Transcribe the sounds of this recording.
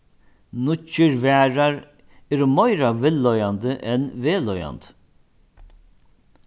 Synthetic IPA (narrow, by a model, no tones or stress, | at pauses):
nʊt͡ʃːəɾvæːɾaɾ | ɛːɾɔmœjɾavɪlːɔjand̪əʔɛnveːlɔja̰nt̪